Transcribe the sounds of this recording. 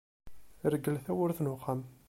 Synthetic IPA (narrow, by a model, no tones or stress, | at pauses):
ɾəɡəlθæwəɾθnʊqːam